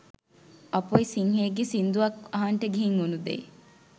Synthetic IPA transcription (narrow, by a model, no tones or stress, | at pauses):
ɐpoisiŋɦeːɡesind̪uʋɐkɐɦaɳʈəɡeɦiŋunud̪ḛ